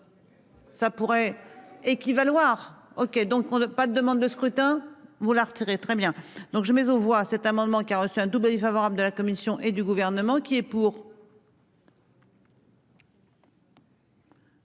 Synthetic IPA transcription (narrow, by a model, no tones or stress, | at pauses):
sapuʁɛekʲivalwaʁ | ɔkʲed̪ɔ̃kɔ̃pad̪əd̪əmɑ̃d̪̚ːəskχyt̪ɛ̃vulaʁt̪iʁet̪χɛbjɛ̃d̪̥ɔ̃kʒəmɛzɔ̃vwasɛt̪amɑ̃d̪mɑ̃kʲiaʁəsyɛ̃d̪ubləvifavɔʁabləd̪əlakɔmisjɔ̃ʔed̪yɡuvɛʁnəmɑ̃kʲiɛpuːʁ